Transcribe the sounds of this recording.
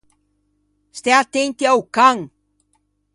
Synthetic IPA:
st̪eat̪ent̪iawkaŋ

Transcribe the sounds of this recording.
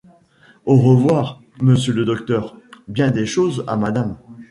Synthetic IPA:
oʁəvwaʁ | məsjələd̪ɔk̚t̪œʁbjɛ̃d̪eʃoza̰mad̪am

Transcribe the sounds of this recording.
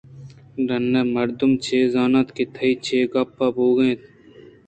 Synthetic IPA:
ɾɐnːeːmɐɾd̪ʊmt͡ʃʰeːzaːnaːt̪ket̪ʰɐit͡ʃʰeːɡaːpʰːaːboːɡɐẽt̪ʰ

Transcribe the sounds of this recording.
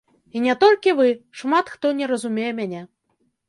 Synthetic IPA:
inʲɛt̪ɔlʲkʲivɨʂmat̪xt̪ɔnʲɛɾɐzumʲejɛmʲanʲɛ

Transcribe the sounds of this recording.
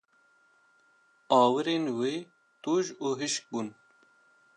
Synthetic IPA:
ɑːwɨɾeːnweː | t̪uːʒuːɦiʃk̚bun

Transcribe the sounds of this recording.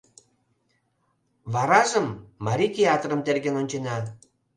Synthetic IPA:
βɑɾɑʒəmːɑɾʲikʲeɑt̪ɾəmt̪erɣenonʲt͡ɕenɑ

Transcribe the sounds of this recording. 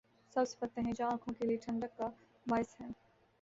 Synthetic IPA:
sɐbsɪ̥pɐt̪ːẽɦɛ̃d͡ʒoãːkʰõkelieʈʰɐ̃ɳɖəkːa | maːɪsɦɛ̃ː

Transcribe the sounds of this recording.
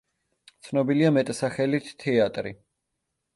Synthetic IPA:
t̪sʰnɔbiliamɛt̪ʼsaχɛlit̪ːʰɛat̪ʼɾḭ

